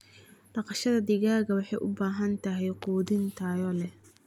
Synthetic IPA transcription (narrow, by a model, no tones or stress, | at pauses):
ɖɑqɑʃɐðɐd̪ɪɣaːɣɐwɑħɑjʔʊbaːɦɐnt̪ʰɐɦɛjquːðɪnt̪ʰaːjɔlɛ